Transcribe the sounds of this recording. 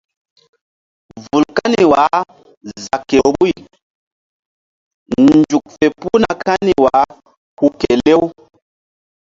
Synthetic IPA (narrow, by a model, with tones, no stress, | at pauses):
vu˨lka˦ni˨wa˨˦ | za˨kːe˨˦bu˦i˨ | nd͡ʒu˨k̚fe˨pu˦na˨kʰa˦ni˨wa˨˦ | hu˨ke˨le˦w